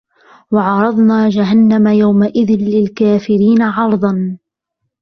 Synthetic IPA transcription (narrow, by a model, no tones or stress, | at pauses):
wɑʕɑɾˤɑðˤnaːd͡ʒaɦanːamajawmaʔɪðɪnlɪlkaːfɪɾiːnaʕɑɾˤd̪ˤɑn